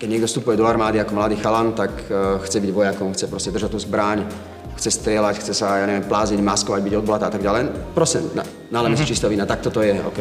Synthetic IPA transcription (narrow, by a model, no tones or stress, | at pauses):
kɛɟɲɪɛɡd̪ɔfst̪upujɛd̪ɔaɾmaːd̪iakɔmlad̪iːxalant̪akxt͡sɛbiɟʋɔjakɔmxt͡sɛpɾɔscɛd̪rʒac̚t̪ːuːzbɾaɲ | xt͡sɛst̪ɾɪɛlacxt͡sɛsajaːɲɛʋɛmplaːziɟmaskɔʋaɟbiɟɔd̪̚blat̪aːat̪aɡɟalɛjpɾɔscɛna̰ | nalɛmɛst͡ʃist̪ɛɔʋiːnat̪ak̚t̪ɔt̪ɔjɛɔ̰kɛ